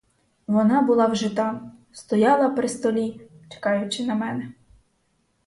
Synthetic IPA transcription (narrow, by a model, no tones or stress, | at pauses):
ʋɔnɑbʊlˠɑwʒɪt̪ɑ | st̪ɔjɑlˠɐpɾɪst̪ɔlʲi | t͡ʃe̥kɑjʊt͡ʃɪnɐmɛnɛ